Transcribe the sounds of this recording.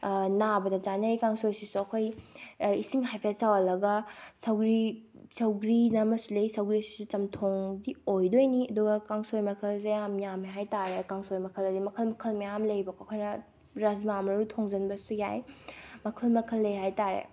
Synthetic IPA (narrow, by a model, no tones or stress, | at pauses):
nabɐdɐt͡ʃanɐjkaŋsojsisuɐkʰoj | isiŋɦajpʰesawɐlɐɡɐsɐwɡɾi | sɐwɡɾinɐmɐsulɐjsɐwɡɾisi̥sut͡ʃɐmtʰoŋdiojdojniɐduɡɐkaŋsojmɐkʰɐlzeamjamiɦajtaɾekaŋsojmɐkʰɐlɐdimɐkʰɐlmɐkʰɐlmɐjamlɐjbɐkʰoɐkʰojnɐ | ɾɐzmamɐɾutʰoŋzɐnbɐsujajmɐkʰɐlmɐkʰɐlːɐjɦajtaɾḛ